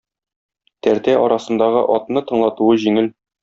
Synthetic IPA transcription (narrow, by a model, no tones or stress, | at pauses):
t̪æɾt̪æʔɒɾɑsɤ̆nd̪ɑʁɤ̰ʔɒt̪nɤt̪ɤ̆ɴlˠɑt̪uɤʑiŋɘl